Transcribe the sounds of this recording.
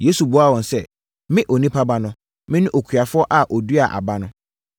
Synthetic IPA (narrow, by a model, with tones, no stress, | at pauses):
je˨˦su˨bʊ˨˦a˦˨wɔ̃˨n˨sɛ˦ | mɪ̃˦ʔo˨nĩ˦pʰa˦ba˦nʊ̃˦ | mɪ̃˦nɪ̃˦ʔo˨kʰɥa˨fʊ˦ɔ˦ʔa˨ʔɔ˨du˦a˨ʔa̰˨ba˦nʊ̃˦